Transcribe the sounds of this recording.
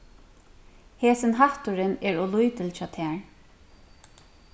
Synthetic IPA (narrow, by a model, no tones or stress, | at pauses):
heːsɪnɦaht̪ʊɹɪnɛɹɔlujt̪ɪlt͡ʃɑːt̪ʰæːɹ